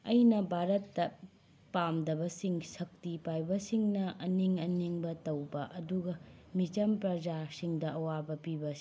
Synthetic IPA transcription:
ɐjnɐbʱaɾɐtːɐ | pamdɐbɐsiŋsɐk̚tipajbɐsiŋnɐʔɐniŋɐniŋbɐtɐwbɐʔɐduɡɐmit͡ʃɐmpɾɐd͡ʒasiŋdɐʔɐwabɐpibɐsi̥

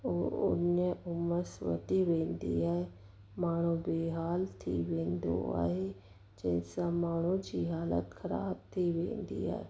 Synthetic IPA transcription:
oʊ̰nijẽʔʊməsʋə̰t̪iːʋẽːnd̪ḭːɦɛe | maːɳ̃ũːbeːɦaːlt̪ʰḭːʋẽːnd̪o̰ːa̰e | d͡ʒẽsãːmaːɳũːd͡ʒiːɦaːlə̰t̪kʰəɾa̰ːb̚t̪ʰiːʋḛ̃ːnd̪ḭːɦɛ̰

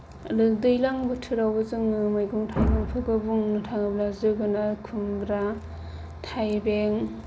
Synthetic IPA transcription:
lɯdɯjlaŋbɯtʰɯɾawazɯŋmajɡuŋtʰajbeŋpʰɯɡabuŋnɯtʰaŋɯblazɯɡɯnakʰumbɾa | tʰajbeŋ

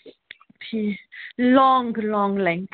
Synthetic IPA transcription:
pʰilɔŋɡlɔ̃ŋlɛ̃ŋθ

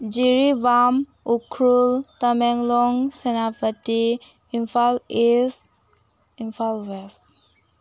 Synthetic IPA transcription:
d͡ʒiɾiʋam | ukʰɾult̪əmɛŋlɔŋsenapət̪i | infales | infalʋɛs

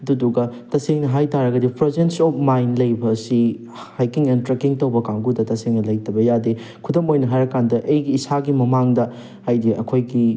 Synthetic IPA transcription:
ɐduduɡɐtɐseŋnɐɦajtaɾɐɡɐdipɾezensɔp̚ʰmajnlɐjbɐːsi | hajkiŋentɾekiŋtowbɐkaŋɡudɐtɐseŋnɐlɐjtɐbɐjade | kʰudɐmojnɐɦajɾɐkandɐʔɐjɡiːsaɡimɐmaŋdɐ | ajdiɐ̰kʰojɡi

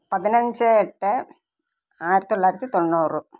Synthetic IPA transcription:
pɐðɪnɐɲd͡ʒɐɛʈːe | aːjɪɾɐt̪ːlːaːjiɾɐt̪ːit̪onːuːrɯ

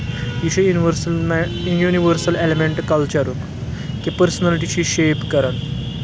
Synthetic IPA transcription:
it͡ɕʰeʋɾmjuniʋəɾsəlelemeɳʈkəlt͡ɕəɾuk | kipəɾsənaliʈit͡ɕiːɕepkəɾən

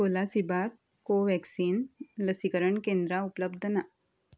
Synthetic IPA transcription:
kolasibʱat̪̚ | koʋɛksiːnləsikəɾəɳkẽnd̪ɾaupələbd̪ʱəna

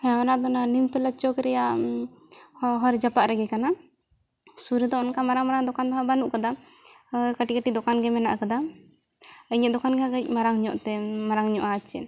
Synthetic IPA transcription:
hɛaanaʔd̪ɔnanimt̪ɔlat͡ʃɔkɾɛjaʔ | ɦɔɾd͡ʒapaʔɾɛɡɛkana | suɾud̪ɔnkamaɾaŋmaɾaŋd̪ɔkand̪ɔɦabanuʔkad̪a | kaʈikəʈid̪ɔkanɡɛmɛna̰ʔkad̪a | əɲɛʔd̪ɔkanɡɛaɡəc̚ˀmaɾaŋɲɔʔt̪ɛmaɾaŋɲɔʔat͡ʃɛ̰n

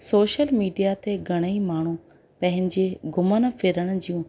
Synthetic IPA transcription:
soːʃəlmiːɖijat̪eɡʱɐɽ̃əimaːɳ̤ũ | pɐ̃ɦɪ̃ɲd͡ʑeɡʱʊmən̆fʰɪɾəɽ̃d͡ʑiːũː

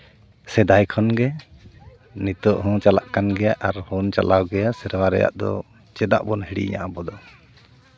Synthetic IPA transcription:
sɛd̪ajkʰɔnɡɛ | nit̪ɔʔɦɔ̃t͡ʃala̰ʔkanɡɛjaʔaɾhɔnt͡ʃa̰lawɡɛjasɛɾwaɾɛ̰ja̰ʔd̪ɔ̰ | t͡ʃɛd̪a̰ʔbɔnhiɽḭɲa̰ʔabɔd̪ɔ

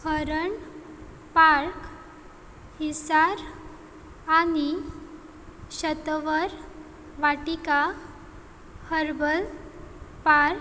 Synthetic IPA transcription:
həɾəɳ | paɾk | hisaɾ | ani | ɕət̪ʋəɾ | ʋaʈika | həɾbəl | paɾk

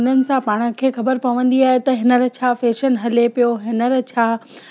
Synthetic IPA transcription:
nənɪ̆sãpaːɽ̃ə̆kʰeːxɐbəɾpɐʋə̃nd̪iaːɦet̪ɐɦɪnəɾə̆t͡ɕʰaːfeːʃənɦɐlepijoɦɪnəɾt͡ɕʰaː

